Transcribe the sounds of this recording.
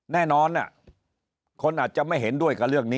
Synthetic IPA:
nɛː˥˩nɔː˧nʔa˧˩ | kʰo˧nʔaː˨˩t̪̚t͡ɕa˨˩ʔma˥˩jɦe˩˦ndu˥˩əjka˧˩ɾɯ˥˩əkniː˦˥

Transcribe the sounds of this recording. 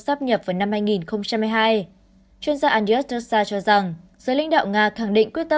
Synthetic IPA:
saː˦˥p̚ɲə˨˩p̚vaː˨˩jna˧mhaː˧jŋi˨˩nxə˧wŋ͡mt͡ɕa˧mːa˧jɦaː˧j | t͡ɕwi˧ənzaː˧ʔaː˧ni˧ɛ˦˥t̚ə˧˥saː˧t͡ɕɔ˧za˨˩ŋzəː˨˦la̰˧˥jŋ̟ɗa̰ː˧˨wŋaː˧xa˧˩ŋɗḭ̈˧˨ŋ̟kwi˦˥t̚t̪ə˧

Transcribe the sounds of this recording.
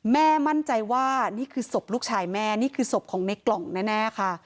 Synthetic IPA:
mɛː˥˩ma˥˩˨nt͡ɕa˧jwaː˥˩niː˥˩kʰɯː˧so˨˩p̚luː˥˩k̚t͡ɕʰaː˧jmɛː˥˩niː˥˩kʰɯː˧so˨˩p̚kʰɔː˨˩˦ŋne˦˥kːlɔ˨˩˦ŋnɛː˥˩nɛː˥˩kʰa˥˩

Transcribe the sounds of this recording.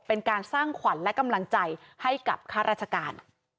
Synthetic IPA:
pe˧nkaː˧nsaː˥˩ŋkʰwa˩˦nlɛ˦˥ka˧mla˧ŋt͡ɕa˧jha˥˩jka̰˨˩p̚kʰaː˥˩ɾaː˥˩t͡ɕʰa˧kaː˧n

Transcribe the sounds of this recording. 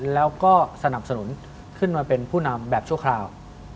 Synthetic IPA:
lɛː˦˥wkɔː˥˩sa˧na˨˩p̚sa˧nu˩˦n | kʰɯ˥˩nmaː˧pe˧npʰuː˥˩na˧mbɛː˨˩p̚t͡ɕʰu˥˩ɐkʰlaː˧w

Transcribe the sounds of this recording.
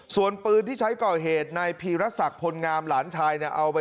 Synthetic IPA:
su˨˩ənpɯː˧nt̪ʰiː˥˩t͡ɕʰa˦˥jkɔː˨˩ɦeː˨˩t̪̚na˧jpʰiː˧ɾa˦˥sa˨˩k̚pʰo˧nŋaː˧mlaː˩˦nt͡ɕʰaː˧jni˥˩əʔa˧wpa˧

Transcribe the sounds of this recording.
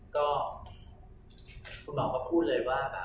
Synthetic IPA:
kɔː˥˩ | kʰu˧nmɔː˨˦kɔː˥˩pʰuː˥˩t̪̚lɤː˧jwaː˥˩ka˨˩

